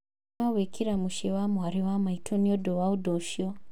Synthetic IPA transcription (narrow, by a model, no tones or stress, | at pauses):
awekʰiɾamuʃewamuaɾiwamaitʰoniodowaudoʃio